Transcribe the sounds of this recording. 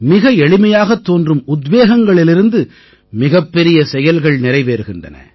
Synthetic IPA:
mɪɣɐɛɭɪmɐjaːɣɐt̪ːoːndrɯmʊd̪ʋeːɣɐŋɡɐɭɪlɪɾɯnd̪ɯ | mɪɣɐpːɛɾɪjɐsɛjɐlɣɐɭnɪɾɐɪʋeːɾɯɣɪndrɐ̰nɐ̰

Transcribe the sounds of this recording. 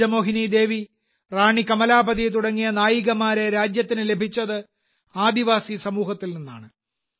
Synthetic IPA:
ɐmo̞ːɦinid̪e̞ːʋi | raːɳikɐmɐlaːbɐðit̪̬uɽɐŋːijɐnaːjiɣɐmaːɾe̞ɾaːd͡ʑjɐt̪ːinɨle̞bʱit͡ɕːɐðɨ | aːd̪iʋaːsisɐmuːɦɐt̪ːilninːa̰ːɳɨ

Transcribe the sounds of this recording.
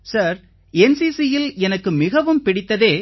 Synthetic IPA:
sɐɾ | ɛnsiːsijɪlɛnɐkːɯmɪɣɐʋɯmpɪɽɪt̪ːɐðeː

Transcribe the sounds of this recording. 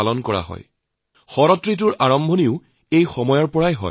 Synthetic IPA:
alɔnkɔɹa̰ɦɔ̰j | xɔɹɔtɹit̬ʊɹʔaɹɔmbʱɔniʊ | ejxɔmɔjɔɹpɔɹajɦɔ̰

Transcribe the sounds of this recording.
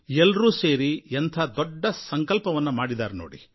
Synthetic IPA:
elɾuːse̞ːɾient̪ʰɐd̪ɔɖːɐsɐŋkɐlpɐʋɐnːumaːɽid̪aːɾunoːɽḭ

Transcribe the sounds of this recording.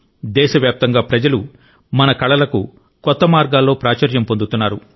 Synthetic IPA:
d̪ɛːʃɐʋjaːp̚t̪ɐŋɡaːpɾɐd͡ʒɐlu | mɐnɐkɐɭɐlɐku | kɔt̪ːɐmaːɾɡaːlːo̞ːpɾaːt͡ʃɐɾjɐmpo̞nd̪ut̪unːaːɾu

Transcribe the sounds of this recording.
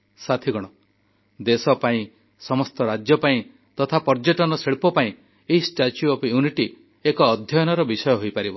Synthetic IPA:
sat̪ʰiɡɔɽ̃ɔ | d̪esɔpaĩ | sɔmɔst̪ɔɾad͡ʒjɔpaĩ | t̪ɔt̪ʰapɔɾd͡ʒɔʈɔnɔseɭpɔpaĩ | eɦisʈat͡ʃjuɔpjuniʈi | ekɔːd̪ʱjɔjɔnɔɾɔbisɔjɔɦojpaɾibɔ

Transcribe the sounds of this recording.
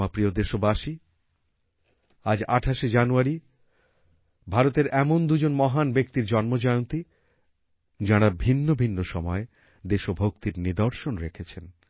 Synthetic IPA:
apɾiod̪eʃobaʃi | ad͡ʑaʈʰaʃed͡ʑanuaɾi | bʱaɾot̪eɾɛmond̪ud͡ʑonmɔɦanbek̚t̪iɾd͡ʑɔnmod͡ʑɔeont̪i | d͡ʑaɽabʱinːobʱinːoʃɔmɔe | d̪eʃobʱok̚t̪iɾnid̪oɾʃonɾekʰet͡ɕʰen

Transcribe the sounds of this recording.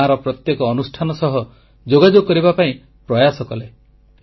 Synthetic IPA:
aɾɔpɾɔt̪jekɔːnusʈʰanɔsɔɦɔ | d͡ʒoɡad͡ʒoɡɔkɔɾibapaĩ | pɾɔjasɔkɔle

